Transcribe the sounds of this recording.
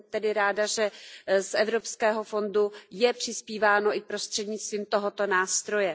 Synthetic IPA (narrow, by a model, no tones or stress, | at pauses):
t̪ɛdɪɾaːdaʒɛsʔɛvɾo̞pskɛːɦo̞fo̞ndujɛpr̝̥ɪspiːvaːno̞ʔɪk̚pɾo̞st̪r̝̥ɛdɲɪt͡st̪viːmt̪o̞ɦo̞t̪o̞naːst̪ɾo̞jɛ